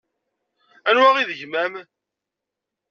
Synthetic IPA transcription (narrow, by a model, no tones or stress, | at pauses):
ænwæʁiðəʝmæm